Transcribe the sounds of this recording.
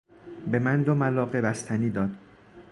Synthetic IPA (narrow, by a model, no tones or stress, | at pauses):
bemænd̪omælɒːɢe̞bæst̪ʰæniːd̪ɒːd̪̥